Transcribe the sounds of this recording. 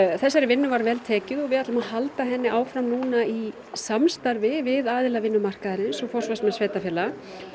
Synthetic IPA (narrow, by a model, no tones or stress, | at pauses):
θɛsːaɾɪvɪnːʏvaɾvɛlt̪ʰɛːcʏðɔɣvɪðat̪lʏmahalt̪aɦɛnːɪʔaːwfɾamnuːnai | samst̪aɾvɪvɪðaːðɪlavɪnːʏmar̥kaðaɾɪnnsɔfɔr̥svasmɛsveːjt̪afjɛla